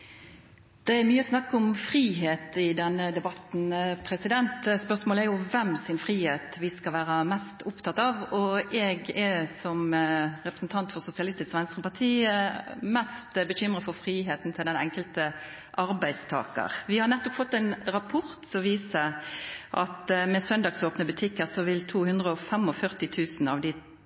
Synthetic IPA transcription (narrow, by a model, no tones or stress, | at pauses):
d̪̥ɛæɾmyːəɔsnɑkːɔmfɾiːɦeːt̪ɪd̪ɛnːəd̪ɛbɑt̪n̩pʰɾɛsɪd̪ɛnt̪spœsmoːlæɾjʊʋɛmsɪnfʁiːheːt̪ʋɪskɑlʋæːɾəmɛst̪ʊpt̪ʰɑt̪ːɑʋɔʔɛɡɛsɔmʁɛpʁəsn̩t̪ʰɑnt̪fɔɾsʊsɪɑlɪst̪ɪskʋɛnskəpɑʁt̪ʰiː | mɛst̪bəçʏmʁəfɔɾfɾiːɦeːt̪n̩t̪ʰɪld̪ɛnɛ̰ŋkəlt̪ə | ʔɑɾbæɪst̪ʰɑ̰ːkə̰ʁʋɪhɑʁnɛt̪ːɔpfɔt̪ːɛɪnɾɑpʰʊɾt̪sɔʋiːsəʔɑ̰t̪mɛsœnd̪ɑːɡsoːpnəbʉt̪ʰɪkːəɾsɔʋɪlt̪ʰuːhʉnd̪ʁəɔfɛmɔfœʁt̪ɪt̪ʰʉːsnɑ̰ʋd̪ɪ